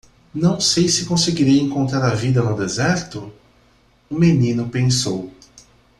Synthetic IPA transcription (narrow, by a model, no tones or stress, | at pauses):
nɐ̃w̃sejsɪkõseɡiɾejẽŋkõnt̪ɾaɾɐvid̪ɐnʊd̪ezɛɾt̪ʊ | ũmenĩnʊpẽsow